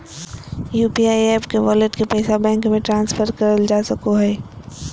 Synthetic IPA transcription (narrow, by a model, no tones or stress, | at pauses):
juːpiaːiɛːpkeʋɔːleʈkepɛːsabɛ̃ːŋkmẽʈɾãːnsfʰəɾkɐɾəld͡ʒaːsɐkoɦɛː